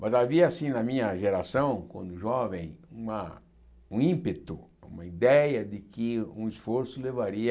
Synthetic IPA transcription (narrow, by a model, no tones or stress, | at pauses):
mɐzaviɐasĩnɐmĩɲɐʒeɾasɐ̃w̃kwɐ̰̃nd̪ʊʒɔvẽj̃ũmɐ | ũĩmpet̪ʊṵ̃mɐid̪ɛjɐd̪ɪkɪũisfoɾsʊlevaɾiɐ